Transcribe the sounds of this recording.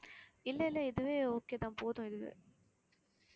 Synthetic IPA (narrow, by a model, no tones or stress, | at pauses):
ɪlːɐɪlːɐɪðɯʋeːoːkːeːðãːpoːðʊ̃ɪðɯʋɯ̰